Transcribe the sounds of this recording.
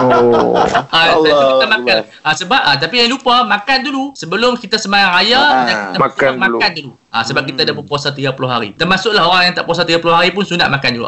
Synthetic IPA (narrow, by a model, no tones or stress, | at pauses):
aakt̪amakan | asəbap̚at̪̬apijaŋlupəmãkandulusəbəlʊmkit̪asəmajaŋajadakit̪amkmãkandulu | asəbap̚kit̪adapəpuasat̪iɡapulʊɦaɾḭt̪ərmasʊʔlaɦoɾaŋjaŋt̪a̰ʔpuas̬at̪iɡapulʊhɦaɾipʊnsuna̰ʔmakandulṵʔ